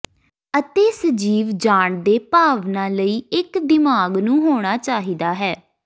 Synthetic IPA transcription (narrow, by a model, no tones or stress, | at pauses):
ət̪eːsəd͡ʒiːʋd͡ʒaːɳd̪eːpaːʋnãːləiːɪkd̪ɪmaːɡnũːɦoːɽ̃aːt͡ʃaːɦiːd̪aːɦɛː